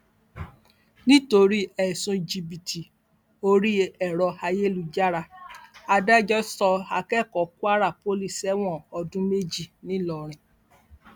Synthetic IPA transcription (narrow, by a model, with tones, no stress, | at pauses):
nĩ˦to˧ɾi˦ɛ˨sũ˧˨d͡ʒi˧bi˨tʰi˨ | o˧ɾi˦ɛ˨ɾɔ˧ha˧je˦lu˧d͡ʒa˦ɾa˧a˧da˦d͡ʒɔ˦sɔ˧a˧kɛ˦˨kɔ˨ku˦a˦ɾa˦˨po˦li˦˨sɛ˨˦w̃ɔ̃˦˨ɔ˧dũ˦me˦d͡ʒi˦˨nĩ˨˦lɔ˨ɾ̃ĩ˨